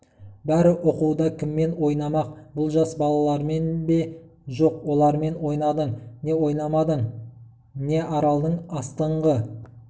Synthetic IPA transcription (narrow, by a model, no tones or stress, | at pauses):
bæɾɪʔoquwd̪ɑkʲʰɪmːe̞nwo̞jnɑmɑq̚bʊlˠʒɑsbɑlˠɑlˠɑɾme̞nbe̞ | ʒo̞qwo̞lˠɑɾme̞nwo̞jnɑd̪əɴne̞wo̞jnɑmɑd̪əɴ | ne̞ʔɑɾɑlˠd̪əɴɑst̪əɴʁə